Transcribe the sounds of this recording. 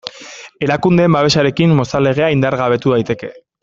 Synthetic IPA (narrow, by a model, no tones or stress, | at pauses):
e̞ɾakund̪embaβe̞ʃaɾe̞kimːo̞sale̞ɣ̞eaind̪aɾɣaβ̞e̞t̪uðajt̪e̞ke̞